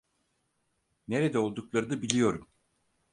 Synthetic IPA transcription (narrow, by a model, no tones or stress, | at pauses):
neɾed̪ɛo̞lˠd̪uklˠaɾɯd̪abilʲijo̞ɾum